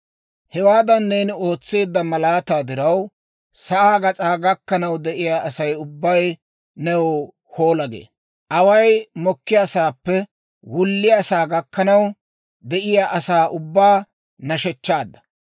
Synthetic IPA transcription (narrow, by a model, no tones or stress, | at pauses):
hɛwaːd̪ɐnːe̞ːnɪo̞ːt͡sːe̞ːd̪ːɐmɐlaːt̪aːd̪ɪɾɐw | sɐʔaːɡɐt͡sʼaːɡɐkːɐnɐwd̪ɛʔɪjaːʔɐsɐjʊbːɐj | nɛwɔ | ho̞ːlɐɡḛː | ʔɐwɐjmɔkːɪjasaːpːɛ | wʊlːɪjasaːɡɐkːɐnɐw | d̪ɛʔɪjaːʔɐsaːʔʊbːaː | nɐʃɛt͡ʃːaːd̪ːɐ̥